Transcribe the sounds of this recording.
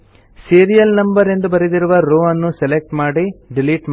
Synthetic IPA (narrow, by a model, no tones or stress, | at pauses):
siːɾijɐlnɐmbɐɾe̞nd̪ubɐɾed̪iɾuʋɐɾoːɐnːuselek̚ʈmaːɽiɖiliʈm